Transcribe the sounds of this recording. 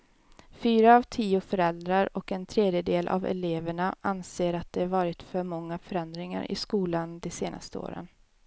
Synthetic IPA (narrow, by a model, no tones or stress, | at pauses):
fyːɾaːvt̪ʰiːʊfœɾɛld̪ɾaɾɔkɛnt̪ʰɾeːd̪jəd̪eːlʔa̰vɛ̰leːvəɳaʔanseːɾat̪̚d̪ɛhaɾvɑːɾɪt̪fœɾmɔŋːafœɾɛnd̪ɾɪŋa̰ɾʔɪ̰skuːland̪ɛseːnʔa̰st̪əo̰ːɾə̰n